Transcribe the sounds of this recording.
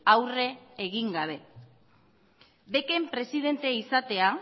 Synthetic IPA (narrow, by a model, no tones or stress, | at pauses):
awre̞ːɣiŋɡaβ̞e̞ | be̞ke̞mpɾe̞sið̞e̞nt̪eisat̪e̞a